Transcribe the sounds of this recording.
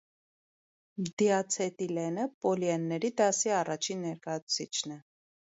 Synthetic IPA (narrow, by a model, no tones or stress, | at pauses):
d̪iɑt͡sʰɛt̪ilɛnəpɔljɛnːɛɾid̪ɑsiɑrɑt͡ʃʰinːɛɾkɑjɑt͡sʰu̥t͡sʰit͡ʃʰnɛ